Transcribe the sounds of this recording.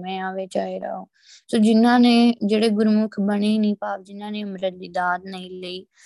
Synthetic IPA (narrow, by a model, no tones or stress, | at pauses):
mɛ̃ːaːʋeːt͡ʃaːeːɾa̰ːõː | soːd͡ʒɪnãːnẽːd͡ʒeːɽeːɡʊɾmʊkʰbəɽ̃enĩːpaːbd͡ʒɪnãːnẽːʊmɾət̪̚d̪iːd̪aːd̪nəĩleiː